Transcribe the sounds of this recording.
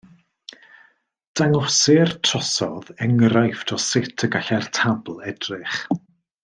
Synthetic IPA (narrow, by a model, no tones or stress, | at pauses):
d̥aŋɔsɪrtʰrɔsɔðɛŋrajftʰɔsɪtʰəɡaɬɛrtʰabl̩ˠɛdrɪχ